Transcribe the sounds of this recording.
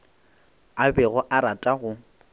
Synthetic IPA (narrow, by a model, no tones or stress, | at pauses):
abɛɣɔʔaɾatʼaɣʊ